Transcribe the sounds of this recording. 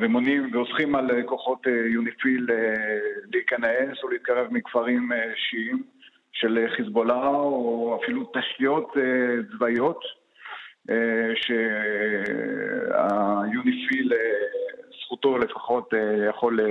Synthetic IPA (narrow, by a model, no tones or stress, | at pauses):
ʁemonimveosχimalkoχo̞t̪ejunifileːeikanesoleit̪̚kaʁevmikfaʁimeʃiim | ʃelχisbolaoafilutaχijo̞tet͡svajo̞t | ʃe | a̰junifilesχutole̞faχo̞t̪ejaχo̞l